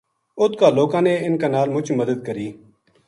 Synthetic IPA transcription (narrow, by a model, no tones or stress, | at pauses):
ʊt̪̚kaːloːkãːneːɪnkaːnaːlmʊt͡ʃʰməd̪əd̪̚kəɾiː